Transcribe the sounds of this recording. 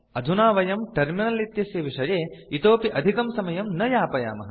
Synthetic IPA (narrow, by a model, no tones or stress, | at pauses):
ɐd̪ʱunaːʋɐjɐmʈɐɾminɐlit̪jɐsjɐʋiʂɐɾeːit̪oːpiʔɐd̪ʱikɐmsɐmɐjɐmnɐjaːpɐja̰ːmɐɦɐ